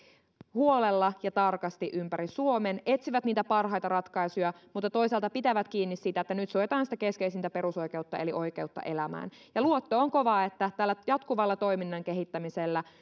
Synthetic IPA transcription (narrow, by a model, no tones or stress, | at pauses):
huo̞lelːɑjɑt̪ɑrkɑst̪iʔympæɾisuo̞mene̞t̪siʋæt̪niːt̪æpɑrɦɑjt̪ɑrɑt̪kɑjsujɑmut̪ːɑt̪o̞iselt̪ɑpit̪æʋæt̪kiːnːissit̪æet̪ːænyt̪suoet̪ɑːnsi̥t̪æke̞skeisint̪æpe̞ɾuso̞jke̞ut̪ːɑ̰e̞liʔo̞jke̞ut̪ːɑ̰ʔe̞læmæ̰ːnjɑluot̪ːoːŋko̞ʋɑːet̪ːæt̪ælːæjɑt̪kuʋɑlːɑt̪o̞jminːɑŋke̞ɦit̪ːæmiselːæ